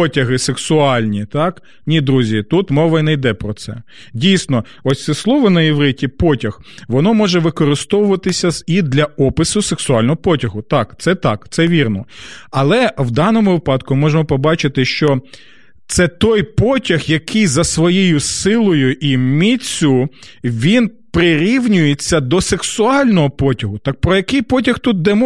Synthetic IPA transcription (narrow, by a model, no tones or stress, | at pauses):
pɔtʲɐɦɪseksʊɑlʲnʲit̪ɑk | nʲid̪ɾuzʲit̪ut̪mɔʋɐnɛjd̪ɛpɾɔtsɛ̰ | dʲijsnɔ | ɔsʲsɛslˠɔʋɔnɐjiʋɾɪtʲipɔtʲɐx | ʋɔnɔmɔʒɛʋɪkɔɾɪst̪ɔʋʊʋɐt̪ɪsʲɐid̪lʲɐɔpɪsʊseksʊɑlʲnɔɦɔpɔtʲɐɦʊt̪ɑkt̪sɛt̪ɑkt̪sɛʋʲirnɔɐlˠɛwd̪ɑnɔmʊʋɪpɑd̪kʊmɔʒemɔpɔbɑt͡ʃɪt̪ɪʃt͡ʃɔ | t̪sɛt̪ɔjpɔtʲɐxjɐkɪjzɐsʋɔjejʊsɪlˠɔjʊʔimʲit͡sʲːʊ | ʋʲin | pɾɪɾʲiwnʲʊjet͡sʲːɐd̪ɔseksʊɑlʲnɔɦɔpɔtʲɐɦʊt̪ɑk̚pɾɔjɐkɪjpɔt̬ʲɐxt̪ut̪̚d̪ɛmɔ